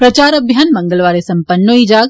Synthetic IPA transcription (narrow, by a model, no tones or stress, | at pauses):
pɾɐt͡ʃaːɾɐbʱjaːnmɐŋɡəlʋaːɾesɐmpənːoid͡ʒaːɡ̚